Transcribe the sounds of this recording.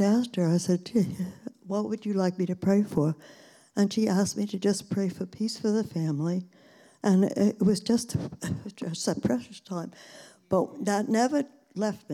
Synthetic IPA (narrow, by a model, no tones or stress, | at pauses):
æstə˞aɪsɛd̚tiwʌt̚wɨd͡ʒɨlaɪk̚miɾɨpʰɹ̥eɪfə˞ | ɨ̃nʃiʔæs̚miɾɨd͡ʒʌspʰɹ̥eɪfə˞pʰisfə˞ðɨfæ̃mli | ʔɨ̃nɪt̚wʌzd͡ʒʌst | ʌsɨpʰɹ̥ɛʃɨstʰãɪ̃m | b̥ʌt̚ðətⁿnɛvə˞ | lɛft̚mi